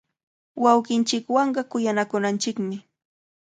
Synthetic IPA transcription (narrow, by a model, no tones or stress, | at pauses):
wɑwɢɪnt͡ʃɪkwɑɴɢɑkʊjanakʊnant͡ʃɪkmɪ